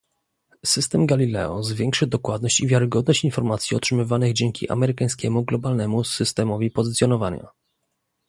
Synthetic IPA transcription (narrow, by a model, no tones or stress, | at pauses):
sɘst̪ɛmɡalʲilɛ̰ɔzvʲjɛŋkʂɘd̪ɔkwad̪̚nɔɕt͡ɕivʲjaɾɘɡɔd̪̚nɔɕt͡ɕinfɔɾmat̪sʲiɔ̰tʂɘmɘvanɘɣd͡ʑɛŋkʲḭʔa̰mɛɾɘkaj̃s̬kʲɛmuɡlɔbalnɛmusɘst̪ɛmɔvʲipɔzɘt̪sʲjɔn̪ɔvaɲa̰